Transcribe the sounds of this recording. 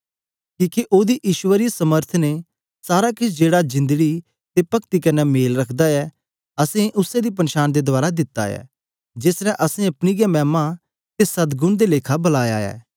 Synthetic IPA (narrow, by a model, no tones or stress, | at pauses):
kiːkeʔoːd̪iʔiːʃʊwəɾisɐməɾt̪ʰne | saːɾakɪt͡ʃʰd͡ʒeːɽad͡ʒɪ̃nd̪əɡi | t̪epɐkt̪ikɐnɛmeːlɾɐkʰd̪aɛ | ɐsẽʔʊsẽd̪ip̬ɐnʃaːñd̪ed̪ʊaːɾad̪ɪt̪ːa̰ɛ̰ː | d͡ʒeːsɾɛʔɐsẽɐpniɡjamɛːma | t̪esɐd̪ɡʊnd̪eleːkʰabɐlaːja̰ɛ̰ː